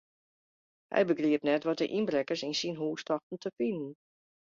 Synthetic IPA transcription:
hɛ̰jbəɡriəpnɛtʋɔt̚dəʔinbrɛkəɹsinsinɦuːstɔxtn̩tʰəfinən̩

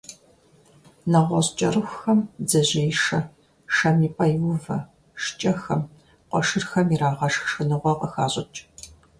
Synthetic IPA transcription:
nɐʁʷɔɕt͡ʃʼɐrɨxʷxɐmzɐʑeːjʂɐ | ʂɐmiːpʼɐjwʊvɐ | ʂt͡ʃʼɐxɐm | qʷɔʃɨrxɐmiɾaːʁɐʂxʂɨnɨʁʷɔqɐxaːɕʼɪt͡ʃʼ

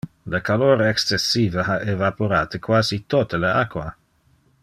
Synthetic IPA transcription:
ləkaloːɾɛkst͡sesːiːvəɦaʔevapoɾaːt̪əkwaːzit̪ot̪əleakwa

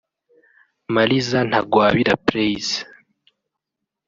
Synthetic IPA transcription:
malizan̥haɡwaːβiɾapɾeiz

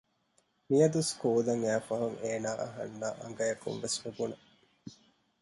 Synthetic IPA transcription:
mijɐd̪uskuːd̪ɐŋæːfɐɦɐŋeːnaːʔɐɦɐ̰nːaːʔɐ̰ŋɡɐjɐkṵmʋesʋubunɐ

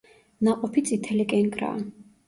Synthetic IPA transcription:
naqʼɔpʰit̪sʼit̪ʰɛlikʼɛŋkʼɾa̰ː

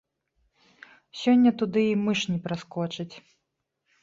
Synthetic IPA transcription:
sʲɔnʲːɐt̪ud̪ɨimɨʂnʲipɾaskɔt͡ʂɐt͡sʲ

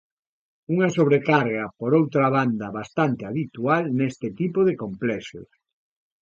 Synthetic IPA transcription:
uŋɐsoβɾekaɾɣɐpoɾowt̪ɾaβand̪ɐβast̪ant̪eaβit̪ualnest̪ɪt̪ipoðekomplɛʃʊ̰s

